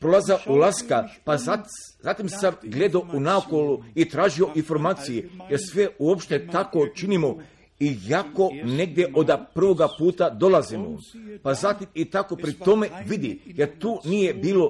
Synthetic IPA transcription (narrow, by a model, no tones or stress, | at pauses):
pɾo̞lˠazaʔulaskapaazat̪imsamɡle̞d̪aounaokoluit̪ɾaːʒio̞ʔinfo̞ɾmaːt̪sijejeɾsʋeuopʃt̪e̞t̪ako̞t͡ʃinimo | iako̞ne̞ɡ̚d̪je̞ʔod̪apr̩ʋo̞ɡapuːt̪ad̪o̞lazimo̰pazat̪imit̪ako̞pɾit̪o̞me̞ʋid̪ijeɾt̪uːnijebiːlo̞